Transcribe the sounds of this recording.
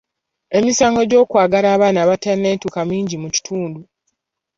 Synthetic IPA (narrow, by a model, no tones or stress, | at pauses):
e̞misaːŋɡo̞ɟo̞ːkwaːɡalaːβaːnaːβatane̞ːntukamiːɲɟimuci̥tʰuːndu